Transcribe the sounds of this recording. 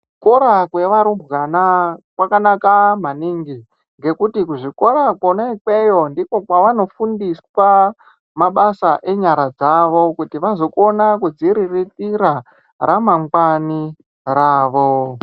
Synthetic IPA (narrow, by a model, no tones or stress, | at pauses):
uko̞ɾakwe̞ʋaɾumbɣanakwakanakamaniŋɡi | ŋɡe̞kutikuʐiko̞ɾakwoneke̞jo̞ndiko̞kwaʋano̞fundiswa | maɓasaʔe̞ɲaɾad͡zaʋo̞kutiʋazo̞ko̞nakud͡ziɾiritiɾa | ɾamaŋɡani | raːʋo̞